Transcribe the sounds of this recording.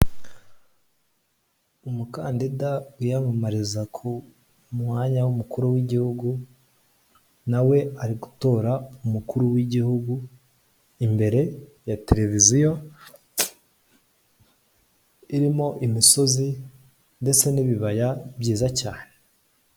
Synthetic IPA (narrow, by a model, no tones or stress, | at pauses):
umukaːndidaujamamaɾizakʰu | mŋaːɲawumukuɾuwiɟihuɡu | nawe̞aɾiɡutoːɾaumukuɾuwiɟihuɡu | imbe̞ɾe̞ | jate̞ɾe̞vizijo̞ | iɾimo̞ʔimiso̞zi | nde̞t͡se̞niβiβajabjiːzaca̰ːne